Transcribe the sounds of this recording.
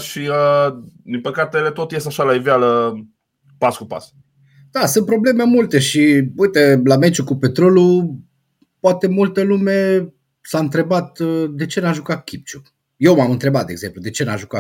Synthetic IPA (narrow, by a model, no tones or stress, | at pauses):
ʃiəd̪inpəkat̪elet̪ot̪jest̪aʃalaivealə | paskupa̰s | d̪̥asunt̪̚pɾo̞ble̞memult̪e̞ʃiujt̪elame̞t͡ʃukupe̞t̪ɾo̞lu | poat̪e̞mult̪əlume̞ | saɨnt̪ɾe̞bat̪d̪e̞t͡ʃe̞naʒukat̪̚kʲip̚t͡ʃu̥ | je̞wmamɨnt̪ɾe̞bat̪d̪eɡze̞mplud̪e̞t͡ʃe̞na̰ʒuka